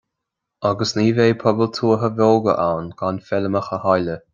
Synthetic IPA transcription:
aɡəsniːveːpʰɔbəlt̪ʰuːɦəvɔlˠɡə̰ʔawnɡ̥anfɛləmaxəhajlə

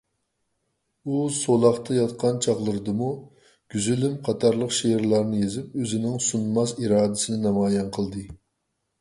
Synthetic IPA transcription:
usolˠɑχt̪ʰɑjɑt̪qʰɑnt͡ʃʰɑχlˠəɾɨd̪ɨmu | ɡ̥ʲyzylymqʰɑt̪ʰɑɾlˠəqʃeɾlˠɑɾnɨjezɪp̚øzɪnɪŋsunmɑziɾɑːd̪ɪsɨnɪnɑmɑːjɛnqʰəlˠd̪ɨ

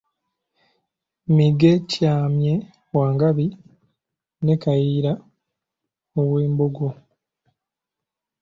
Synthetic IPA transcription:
miɡe̞caːmje | waːŋɡaβi | ne̞kajiːɾa | oβweːmboɡo

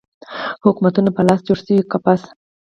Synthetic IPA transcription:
hʊkumat̪unapəlɑsd͡ʒoɽsəwikapas

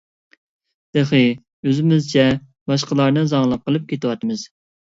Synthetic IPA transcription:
d̪̥eχɨ | øzɪmɪzt͡ʃʰɛ | bɑʃ̬qəlˠɑɾnɨzɑŋlˠɑp̚qʰəlˠɨp̚kʲʰet̪ɨwɑt̪ɨmɨz̥

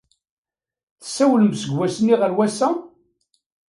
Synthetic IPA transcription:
θə̥sːæwləmsəɡwæsənːiʁəɾwæsæ

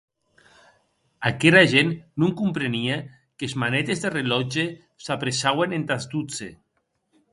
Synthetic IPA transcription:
akeɾaʒenːuŋkumpɾenia | kezmanet̪ezðerelɔd͡ʒe | sapɾesawenent̪azd̪ut͡sḛ

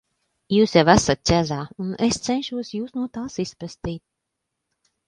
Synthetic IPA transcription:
juːsjɛvæsat̪̚t͡ʃ̪ʲæzaːunest̪sɛnʲʃuɔsjuːsnuɔt̪aːsispɾast̪iːt̪̚

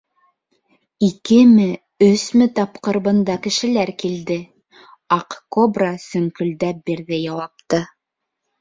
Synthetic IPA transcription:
ikɘmɘ | ɵsmɘt̪ɑpqɤ̆ɾβɤ̆nd̪ɑkɘ̆ʃɘ̆læɾkild̪ɘ | ɑqkobrɑsɵ̆ŋkɵ̆ld̪æp̚biɾðɘjɑwɑp̚t̪ɤ

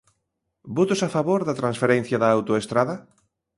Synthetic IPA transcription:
bot̪ʊsafaβoɾðɐt̪ɾãnsfeɾen̟θjaðaːwt̪oest̪ɾaðɐ

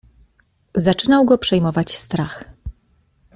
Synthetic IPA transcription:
zat͡ʂɘnawɡɔpʂɛjmɔvat͡ɕst̪ɾax

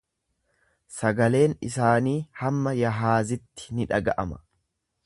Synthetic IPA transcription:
sɐɡɐle̞ːnɪsaːniːhɐmːɐjɐɦaːzɪt̪ːɪ̥nɪᶑɐɡɐʔɐmɐ̥

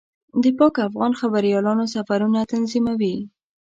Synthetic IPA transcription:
d̪əpɑkafɣɑnxabaɾijɑlɑnosafaɾunat̪anzimawi

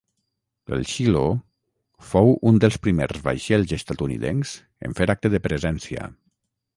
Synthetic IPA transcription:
ḛlˠʃilo | fowund̪əlˠspɾimerzβa̰jʃelˠzest̪at̪unḭðenz̥ | ḛɱfeɾak̚t̪əðəpɾəzɛnsiə̰

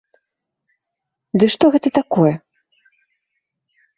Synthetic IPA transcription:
d̪ɨʂt̪ɔɣɛt̪ɐt̪akɔjɛ

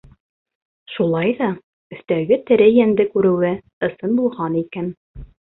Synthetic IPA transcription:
ʃulˠɑjðɑ | ɵ̆θt̪æɡɘt̪ɘ̆ɾɘjænd̪ɘkʉɾɘ̆wɘ | ɤ̆sɤnbulˠʁɑnikæn

